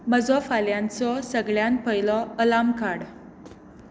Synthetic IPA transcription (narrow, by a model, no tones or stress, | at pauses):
məd͡zɔfaljãnt͡sɔsəɡɭjan̚pəjlɔəlamkaɽ